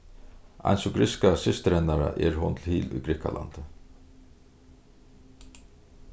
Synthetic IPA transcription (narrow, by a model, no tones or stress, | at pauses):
a̰jnsɔɡɾɪskasɪst̪əɾɛnːaɾa̰ʔɛɹɦʊnt̪ʰɪlhiːlʊjɡɾɪka̰lʔa̰nt̪ə